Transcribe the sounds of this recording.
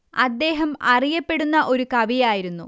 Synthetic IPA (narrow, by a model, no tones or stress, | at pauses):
ɐd̪ːe̞ːɦɐmɐrijɐpːe̞ɽunːɐʔo̞ɾukɐʋijaːjiɾunːṵ